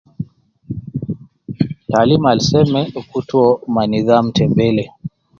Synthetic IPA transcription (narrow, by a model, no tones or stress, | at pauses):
talimalisɛmɛukutuɔmaniðam̩tɛmbɛlɛ